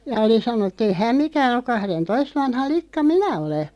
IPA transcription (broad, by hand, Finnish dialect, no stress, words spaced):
jɑ oli sɑnonːŭ etː ei hæm mikæːn ok̆ kɑhrentoist ʋɑnhɑ likːɑ minæ ole